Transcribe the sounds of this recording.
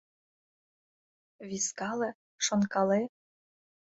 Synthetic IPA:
βiskɑlĕ | ʃonkɑle

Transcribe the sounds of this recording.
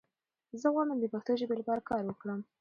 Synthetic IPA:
zəɣɑmənd̪əpaxt̪əʒebelbɑɾkɑɾwəkɽəm

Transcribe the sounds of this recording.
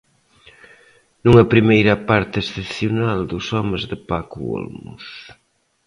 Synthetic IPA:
nuŋɐpɾimejɾɐpaɾt̪ɪesθeθjunald̪ʊsɔmezðɪpakuo̰lmṵs

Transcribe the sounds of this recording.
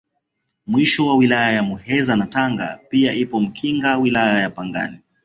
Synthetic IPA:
mwiʃɔwawilajajamuhɛzanataŋɡa̰piaʔipɔm̩kʰiŋɡawilajajapaŋɡa̰ni

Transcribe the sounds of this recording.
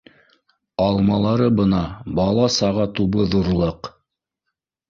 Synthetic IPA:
ɑlˠmɑlˠɑɾɤbɤ̆nɑbɑlˠɑsɑʁɑt̪uβɤðuɾlˠɤq

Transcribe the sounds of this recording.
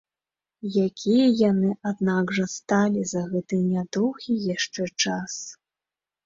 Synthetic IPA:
jakʲʰijɐjanɨʔad̪naɡʐɐst̪alʲizɐɣɛt̪ɨjnʲad̪ɔwɣʲijaʂt͡ʂɛt͡ʂas

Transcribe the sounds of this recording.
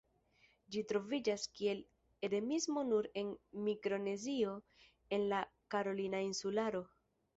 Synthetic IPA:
d͡ʒitɾo̞vid͡ʒaskie̞l | e̞de̞mizmo̞nuɾe̞nmikɾo̞ne̞zio̞ | e̞nlakaɾo̞linainsulaɾo̞

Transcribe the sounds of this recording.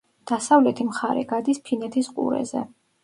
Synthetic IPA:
d̪̥asavlɛt̪ʰimχaɾɛ̰ɡad̪ispʰinɛt̪ʰisqʼṵɾɛ̰zɛ̰

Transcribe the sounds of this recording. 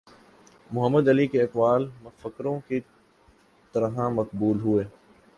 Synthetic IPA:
mʊɦəmːəd̪ɐlikeɐkbaːlmɐfəkɾõki | t̪ɐɾɦãmɐqbuːlɦueː

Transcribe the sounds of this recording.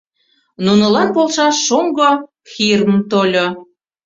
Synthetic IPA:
nunə̆lɑnpolˠʃɑʃːoŋɡo | xirmt̪olʲo

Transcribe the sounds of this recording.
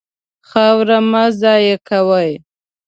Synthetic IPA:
xawɾamazɑjekʰawaj

